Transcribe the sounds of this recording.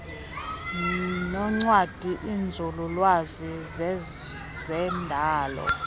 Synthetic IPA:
nɔŋ͡ǀwad̥ʱiʔind͡zʱululwaziz | zɛndʱaːlɔ̰

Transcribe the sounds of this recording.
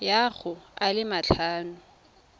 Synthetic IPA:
jaɣʊalɪmat͡ɬʰaːnʊ

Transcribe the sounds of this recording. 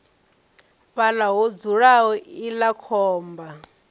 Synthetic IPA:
βalaɦɔd͡zuɺaɦɔilakʰɔːmba

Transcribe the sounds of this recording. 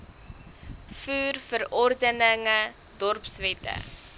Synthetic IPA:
fuːrfəɾɔrdənəŋə | dɔrpsvɛtə̰

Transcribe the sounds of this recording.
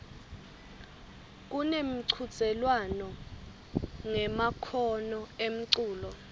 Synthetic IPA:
k̬unemiǀʰu̥t͡sʼɛlwanɔ | ŋɛmakʰɔnɔem̩ǀuːlɔ

